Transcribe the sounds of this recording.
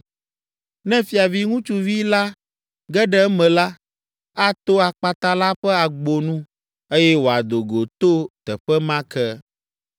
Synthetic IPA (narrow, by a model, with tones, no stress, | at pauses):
nɛ̃˦fi˨a˨vi˦ŋũ˦t͡ʃu˦vi˦la˦ | ɡɛ˦ɖɛ˦mɛ̃˨la˦ | a˦t̪o˦a˨k͡pa˨t̪a˦la˦ɸɛ˦a˨ɡ͡bo˨nũ˦ | e˦jɛ˦wo˨a˨d̪o˨ɡo˨t̪o˦t̪ɛ˨ɸɛ˦mã˦kɛ˦